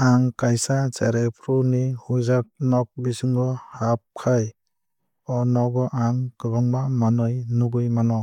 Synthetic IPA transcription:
aŋkajsat͡ʃaɾepʰɾunihuzak̚nɔk̚bisɯŋɡɔhap̚kʰaj | ɔnɔɡɔʔaŋkɯbaŋbamanɔjnuɡɯjmanɔ

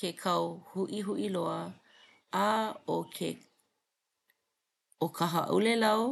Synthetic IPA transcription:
kekʰɐwhuʔiɦuʔiloɐ | aokʰe | okʰɐɦɐʔṵlelɐo

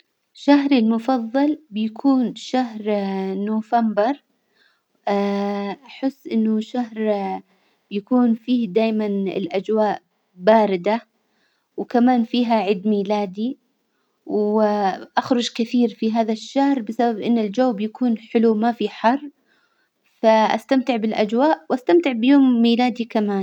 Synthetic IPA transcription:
ʃaɦɾɪlmʊfɑðˤːɑlbɪjakʰuːnʃaɦɾnoːfambɑɾˤ | ʔaħɪsːʔɪnːʊʃaɦɾ | b̥jakuːnfiːhd̪aːjmanɪ̰lʔad͡ʒwaːʔ | baːɾɪd̪a | wkamaːnfiːɦaʕɪːd̪miːlaːd̪i | w | ʔaxɾˤʊd͡ʒkɪθiːɾfiɦaːðaʃːahɾbɪsababʔɪnːɪld͡ʒawːbɪjakuːnħɪlumafiħɑrˤː | faʔast̪amt̪ɪʕbɪlʔad͡ʒwaːʔwʔast̪amt̪ɪʕbɪjoːmːiːlaːd̪ikamaːn

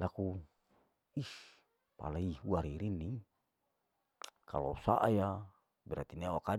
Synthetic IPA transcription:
laku | is | pa̰laihuaɾiɾini | ka̰losa̰ʔaja | bɛɾat̪iniawaka

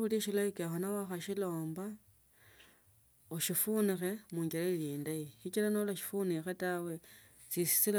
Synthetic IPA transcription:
uliʃilaikexonawaxaʃilo̞ːmba | oʃifunixe̞muːɲɡelaliːndaiʃit͡ʃilanolaʃi̥funixetawe̞ | t͡sisi̥sil

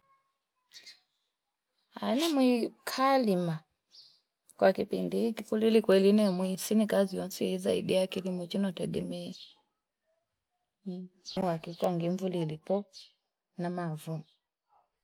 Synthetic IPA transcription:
anɛmwikʰalima | kwʔakipindihikikulilikwɛlinɛmwisinikaziɔnsiiza̰iɗijakilimɔt͡ʃinɔtɛɡɛmɛɛ | uwakikwaŋɡiɱvulilipɔ | namavu

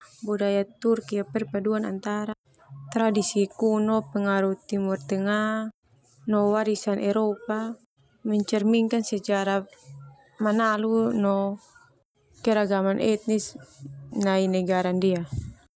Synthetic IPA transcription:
budajat̪urkiapɛrpaduana̰nt̪aɾa | t̪ɾadisikunɔpɛŋaɾuht̪imurt̪ɛŋa | nɔwaɾisanʔɛɾɔpa | mɛɲt͡ʃɛrmiŋkansɛt͡ʃaɾa | manalunɔ | kɛɾaɡamanʔɛt̪̚nis | nainɛɡaɾandia

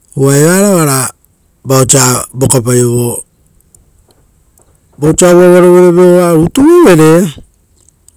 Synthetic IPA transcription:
uaeβaɾaβaɾa | baot͡ʃabokapajoβo | bot͡ʃawaβaɾoβeɾeβeoβaɾutuβeβeɾe

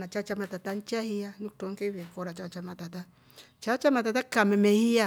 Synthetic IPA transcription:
nat͡ʃat͡ʃamatatant͡ʃahianuk̚toŋkeβekoɾat͡ʃat͡ʃamatata | t͡ʃat͡ʃamatatakamɛmɛhia

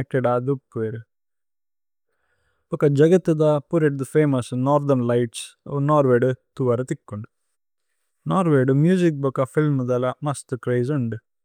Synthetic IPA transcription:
ek̚ʈeɖaːd̪up̚kʋeːɾu | b̥ukɐd͡ʒɐɡɐt̪ːud̪ɐpuɾeʈ̚d̪feːmɐsnaːɾd̪ɐɾnlajʈsnaːɾʋeːɖut̪uʋɐɾɐt̪ikːoɳɖu | naːɾʋeːɖumjuːzik̚bukɐfʰilmd̪ɐlɐmɐst̪kɾɐjzuɳɖ

